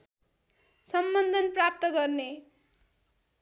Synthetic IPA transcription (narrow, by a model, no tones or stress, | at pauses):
sʌmbʌnd̪ʱʌnprap̚t̪ʌɡʌrne